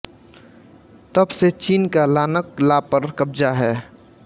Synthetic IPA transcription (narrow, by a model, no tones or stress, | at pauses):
t̪əbset͡ʃiːnkalaːnəklapəɾkəbd͡ʒaɦɛː